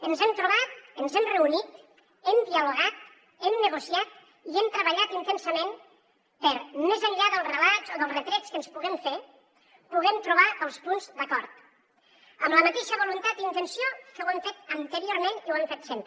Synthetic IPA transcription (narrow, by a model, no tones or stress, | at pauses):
ənzɛmt̪ɾuβat̪̚ənzɛmrəunit̪ | ɛmd̪iəluɣ̞at̪̚ | ɛmnəɣusiat̪̚ | iɛmt̪ɾəβəʎat̪int̪ensəmen | pəɾmezəɲʎaðəlˠrəlazoðəlˠzrət̪ɾɛt͡skənspuɣɛmfe | puɣɛmt̪ɾuβaəlˠspunzd̪əkɔɾt̪̚ | əmləmat̪eʃəβulunt̪at̪̚d̪int̪ənsiokəwaɱfet̪ənt̪əɾioɾmeniuwamfet̪sempɾ